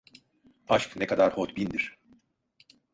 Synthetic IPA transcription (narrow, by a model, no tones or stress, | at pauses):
aʃknekʰad̪aɾhot̪bind̪iɾ̥